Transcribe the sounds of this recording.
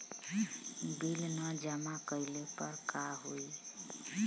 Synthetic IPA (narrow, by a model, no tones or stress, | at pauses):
bilnəd͡ʒəmakəjlepəɾkaɦoi